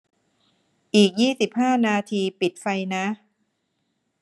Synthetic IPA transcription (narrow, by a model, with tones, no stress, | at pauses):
ʔiː˨˩k̚jiː˥˩si˨˩p̚haː˥˩naː˧t̪ʰiː˧pi˨˩t̪̚fa˧jna˦˥